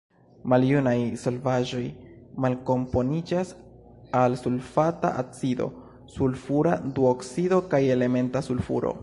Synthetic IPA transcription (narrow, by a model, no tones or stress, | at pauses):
maljunajso̞lvaʒo̞jmalko̞mpo̞nid͡ʒas | alsulfata̰ʔat͡sido̞̰ | sulfuɾaduoksido̞kaje̞le̞me̞ntasulfṵɾo̰